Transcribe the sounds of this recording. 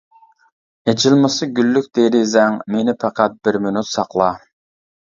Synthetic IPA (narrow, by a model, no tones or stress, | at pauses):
ed͡ʒilˠmɨsɨɡʲylːykʲd̪eɾizɛŋmenɪpʰɑqʰɑt̪̚bɪɾmynyt̪sɑqlˠɑ